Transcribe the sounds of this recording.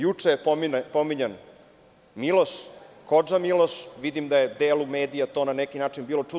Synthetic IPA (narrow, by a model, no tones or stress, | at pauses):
jut͡ʂeipomiɲen | miloʃkod͡ʒamiloʃʋid̪imd̪aje̞d̪eːlume̞ːd̪ijat̪oːnanɛkinaːt͡ʂinbiːlˠo̞t͡ʂu